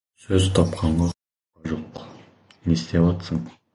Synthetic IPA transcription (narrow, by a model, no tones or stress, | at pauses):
sɵzt̪ʰɑpqʰɑɴɢɑ | ɑʒoq | nest̪evɑt̪səm